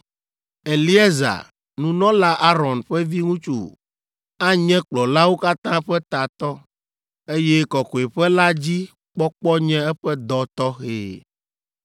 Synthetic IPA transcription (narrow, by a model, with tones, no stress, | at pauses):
e˨li˦e˦za̰˨ | nũ˨nɔ̃˦la˦ʔa˦ɾɔ˨nɸɛ˦vi˦ŋũ˦t͡ʃṵ˨ | a˦ɲɛ̃˦k͡plɔ˨la˦wo˦ka˦t̪ã˦ɸɛ˦t̪a˨t̪ɔ˦ | e˦jɛ˦kɔ˨kɔ˨e˨ɸɛ˦la˦d͡ʑi˦ | k͡pɔ˦k͡pɔ˦ɲɛ̃˦ɛ˦ɸɛ˦d̪ɔ˨t̪ɔ˦xḛː˨